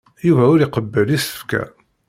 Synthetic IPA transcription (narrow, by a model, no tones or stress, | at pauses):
juvæʊɾiqəbːəlisə̥fkæ̰